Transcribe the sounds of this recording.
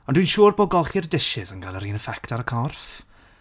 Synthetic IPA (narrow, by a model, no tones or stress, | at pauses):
ɔ̃ndwinʃuːrboːɡɔlˠχirdɪʃɪzənɡalˠəɾiːnəfɛktaɾəkʰɔrf